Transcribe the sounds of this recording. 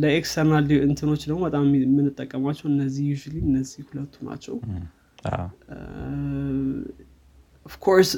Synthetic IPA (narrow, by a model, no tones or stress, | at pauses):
ləekst̪ʰəɾnaliʔɨnt̪ʰɨno̞t͡ʃːd̪əɡmobət̪ʼammːɨnːɨt̪ʼːəkʼːəmat͡ʃːɛwɨnːəzːihjut͡ʃiliɨnːəzihhulət̪ʰːuna̰t͡ʃːɛ̰w | ɔvkʰoɾs